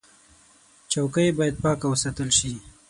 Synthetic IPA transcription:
t͡ʃawkəjebɑjad̪̚pɑkawəsat̪əlʃi

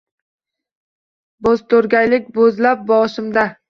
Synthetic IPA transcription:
bozt̪ʰɵɾɡʲajlɪkʲbozlap̚bɒʃɪmd̪a

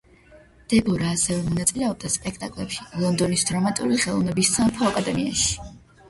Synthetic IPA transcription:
d̪̥ɛbɔɾaːsɛvɛmɔnat̪sʼilɛɔb̚d̪aspʼɛk̚ʰt̪ʼakʼlɛpʃilˠɔnd̪ɔnisd̪ɾɔmat̪ʼṵɾiχɛlˠɔvnɛbisampʰɔakʼad̪ɛmiaʃi̥

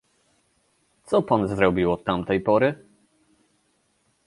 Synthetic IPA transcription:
t̪sɔpanzɾɔbʲiwɔt̪ːamt̪ɛjpɔɾɘ

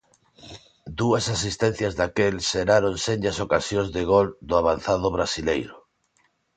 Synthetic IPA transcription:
d̪uɐsasist̪ẽn̟θjazðakelseɾaɾonseɲɟasokasjõzðɪɣ̞old̪ʊaβan̟θaðʊβɾasilejɾʊ

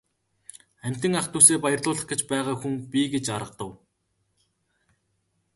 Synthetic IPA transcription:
æm̥ʲt̪ɘ̆ŋaχt̪ʰuseːpajə̆rɮʊːɮə̆χɡet͡ɕpæːʁaːxuŋpʲiɡet͡ɕaɾə̆q̚t̪ə̆w

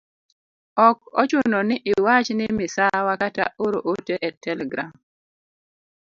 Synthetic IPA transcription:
ɔkɔ̰t͡ʃʊnɔnɪʔɪwat͡ʃnɪmɪsawakata̰oɾo̰ʔoteʔɛtɛlɛɡɾa̰m

